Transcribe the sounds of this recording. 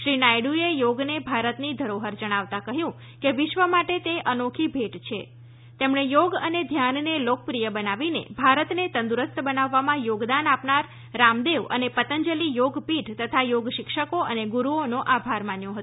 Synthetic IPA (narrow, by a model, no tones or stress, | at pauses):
ʃɾinajɽuejoɡnebʱaɾət̪nid̪ʱəɾoɦəɾd͡ʒəɽ̃aʋt̪akəɦjũ | keʋɪʃʋəmaʈet̪eʔənokʰibʱeʈt͡ʃʰḛ | t̪emɳejoɡəned̪ʱjannelok̚pɾijəbənaʋinḛbʱaɾət̪net̪ənd̪uɾəst̪bənaʋːamãjoɡd̪anapnaɾː | amd̪eʋə̰nepət̪əɲd͡ʒəlijoɡpiʈt̪ət̪ʰajoɡʃɪkʃəkoʔəneɡuɾuonõʔabʱaɾmanjõɦət̪